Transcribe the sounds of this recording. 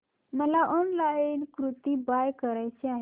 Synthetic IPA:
məlaʔɔnlajnkɾut̪iːbajkəɾajt͡ɕeaɦe

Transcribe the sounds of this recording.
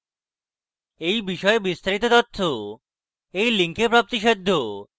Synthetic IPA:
ejbiʃɔebist̪aɾit̪ot̪ot̪ʰːo | ejliŋkepɾap̚t̪iʃed̪ʱːo

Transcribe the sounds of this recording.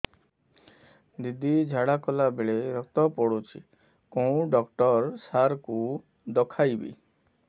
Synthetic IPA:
d̪id̪ʱid͡ʒʱaɽakɔlabeɭeɾɔk̚t̪ɔpɔɽut͡ʃʰḭ | kõũɖɔkʈɔɾsaɾku | d̪ɔkʰajbḭ

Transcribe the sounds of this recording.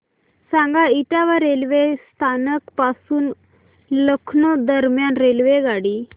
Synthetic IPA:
sãŋɡaiʈ̪aʋaɾelʋest̪ʰanəkpasuːn | ləkʰnəd̪əɾmjanɾelʋeɡaɽiː

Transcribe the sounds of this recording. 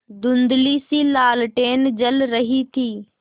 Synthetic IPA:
d̪ʊnd̪liːsiːlaːlʈeːnd͡ʒəlɾɐɦit̪ʰiː

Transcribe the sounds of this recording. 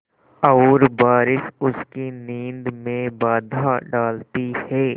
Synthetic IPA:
ɐʊːɾbaːɾɪʃʊskiniːnd̪mẽbaːd̪ʱaɖaːlt̪ihɛː

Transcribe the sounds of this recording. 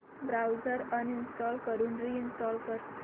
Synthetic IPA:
bɾawd͡zəɾəninsʈɔlkəɾuːnɾiinsʈɔlkəɾ

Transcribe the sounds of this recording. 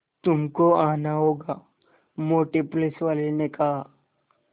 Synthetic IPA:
t̪ʊmkoaːnaɦoːɡaː | mʊlʈeplesʋaːlenekɐɦa

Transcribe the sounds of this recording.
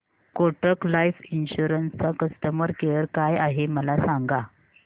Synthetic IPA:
koʈəklajfinɕuɾənst͡sakəst̪əməɾkeəɾkajaɦeməlasaŋɡa

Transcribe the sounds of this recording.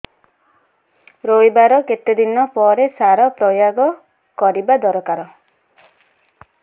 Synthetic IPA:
ɾojbaɾɔket̪ed̪inɔpɔɾesaɾɔpɾɔjaɡɔ | kɔɾibad̪ɔɾɔkaɾɔ

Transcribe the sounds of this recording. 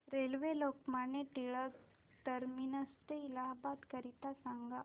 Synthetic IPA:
ɾelʋelokmaneʈiɭək | ʈəɾminəst̪eilaɦbat̪kəɾit̪asaŋɡa

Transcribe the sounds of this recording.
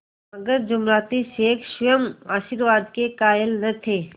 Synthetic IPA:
ɐɡəɾd͡ʒʊmɾaːt̪iʃeːkʰʃʊjəmaːʃiɾʋaːd̪kekaːjəlnɐt̪ʰeː

